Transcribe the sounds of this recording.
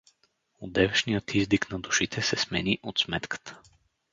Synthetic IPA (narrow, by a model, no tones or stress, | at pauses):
od̪ɛvɛʃnijət̪izd̪iknɐd̪uʃit̪ʰɛsɛsmɛniʔot̪smɛt̪kə̥t̪ə̥